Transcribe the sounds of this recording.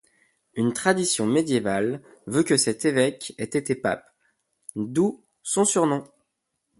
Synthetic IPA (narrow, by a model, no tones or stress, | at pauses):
ynt̪χad̪isjɔ̃med̪jeval | vøkəsɛt̪evɛkɛt̪et̪epa̰p | d̪u | sɔ̃syʁnɔ̃